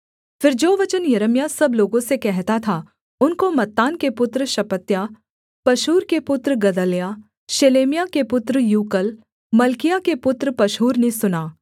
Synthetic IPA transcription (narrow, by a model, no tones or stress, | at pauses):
fɪɾd͡ʒoːʋɐt͡ʃənjɐɾəmjasɐbloːɡõsekɛɦt̪at̪ʰa | ʊnkomɐt̪ːaːnkepʊt̪ɾʃɐpət̪ja | pɐʃuːɾkepʊt̪ɾɡɐd̪əlja | ʃeːleːmijakepʊt̪ɾjuːkəl | mɐlkɪjakepʊt̪ɾpɐʃɦuːɾnesʊnaː